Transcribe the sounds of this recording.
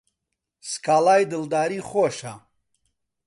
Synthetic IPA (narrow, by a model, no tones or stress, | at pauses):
skaːlaːjd̪ɨld̪aːɾiːχoʃa